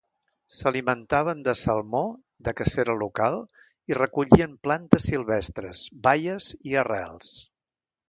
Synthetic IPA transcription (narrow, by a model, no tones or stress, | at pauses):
səlimənt̪aβ̞ənd̪əsəlˠmo | d̪əkəseɾəlukalˠ | irəkuʎiəmplant̪əsilˠβɛst̪ɾəzbajəziərɛ̰lˠs